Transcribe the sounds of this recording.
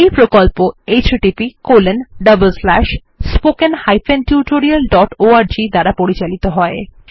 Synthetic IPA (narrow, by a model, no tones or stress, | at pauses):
ejpɾokolpoejt͡ɕʈipikolenɖəbəlslɛʃ | spokenhajfenʈjuʈoɾialɖɔʈoaɾd͡ʑid̪aɾapoɾit͡ɕalit̪oɦɔe